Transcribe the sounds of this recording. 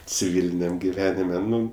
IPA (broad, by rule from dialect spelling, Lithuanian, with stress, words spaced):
t͡sʲɪˈʋʲɪlʲɪnʲɛm ɡʲɪˈʋʲæːnʲɪmʲɛ ˈnʊ